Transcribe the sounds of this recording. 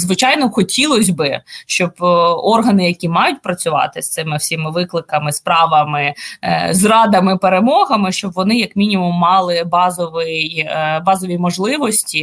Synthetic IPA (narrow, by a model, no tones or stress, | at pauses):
zʋɪt͡ʃɑjnɔxɔtʲilˠɔsʲbɪʃt͡ʃɔbɔrɦɐnɪjɐkʲimɑjʊt̚ʲpɾɐt͡sʲʊʋɑ̰t̪ɪst̪ɪmɪwsʲimɪʋɪklˠɪkɐmɪspɾɑʋɐmɪzrɑd̪ɐmɪpeɾemɔɦɐmɪʃt͡ʃɔbʋɔnɪjɐkmʲinʲimʊmːɑlˠɪbɑzɔʋɪjbɑzɔʋʲimɔʒlˠɪʋɔsʲtʲi